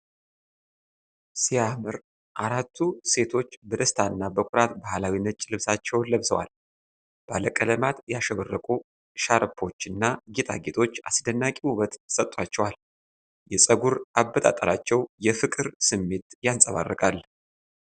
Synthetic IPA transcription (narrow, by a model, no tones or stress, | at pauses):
sijamɨɾ | ʔaɾat̪ʰːuse̞t̪ʰo̞t͡ʃːbəd̪əst̪ʰanːabəkʷʼʊɾat̪bahlawinət͡ʃʼːlɨβsat͡ʃːɛwnləβsəwa̰l | b̥aləkʼələmat̪jaʃəβərːəkʼu | ʃaɾpʰːo̞t͡ʃːɨnːaɡet̪ʰʼa̰ɡet̪ʰo̞t͡ʃːa̰sɨd̪ənːakʼiuβət̪sət̪ʼːwat͡ʃːɛwal | jɛsʼəɡuɾʔabːət̪ʼa̰t̪ʼəɾat͡ʃːɛwjɛfɨkʼɨɾsɨmːe̞t̪jansʼəβa̰rːəkʼalː